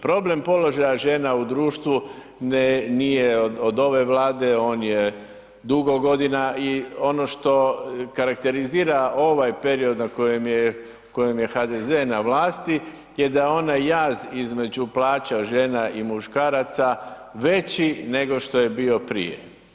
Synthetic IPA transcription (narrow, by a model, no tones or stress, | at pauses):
pɾo̞ble̞mpo̞lo̞ʒajaʒe̞ːnaud̪ɾuːʃt̪ʋu | nnijeod̪o̞ʋe̞ʋlaːd̪e̞o̞ːnje | d̪uɡo̞ɡo̞d̪inaio̞no̞ʃt̪o̞kaɾak̚t̪e̞ɾiziːɾao̞ʋajpe̞ɾio̞d̪nako̞jemje | kojemje̞xad̪ezenaʋlaːst̪i | jed̪ao̞najːaːzizme̞d͡ʑuplaːt͡ɕaʒe̞ːnaimuʃkaːɾat̪saʋe̞t͡ɕine̞ɡo̞ʃt̪o̞je̞bio̞pɾḭjḛ